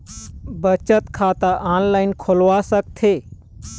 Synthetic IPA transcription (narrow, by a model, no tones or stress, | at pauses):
bət͡ʃət̪kʰaːt̪əʔaːnlaːɪnkʰolʋasək̚t̪ʰe